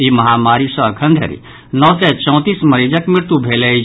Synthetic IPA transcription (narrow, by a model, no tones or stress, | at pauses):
imɐɦamaɾisɐ̃əkʰə̃nd̪ʱə̰ɾḭ | nɔsɛt͡ʃɔ̃ʊ̃t̪iːsmɐɾid͡ʒəkmiɾt̪ubʱeləi